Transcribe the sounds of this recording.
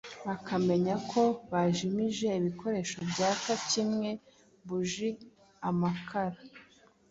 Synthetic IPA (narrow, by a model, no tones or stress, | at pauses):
βakʰame̞ɲakʰo̞βaʒimiʒe̞iβikʰo̞ɾe̞ʃo̞bɟaːkatimŋe̞ | βuʒi | amakʰaɾa